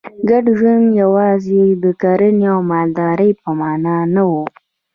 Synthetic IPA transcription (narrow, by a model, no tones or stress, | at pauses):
ɡaɖʒunjawɑzed̪əkaɾəneawmɑld̪ɑɾəjpəmɑnɑnawu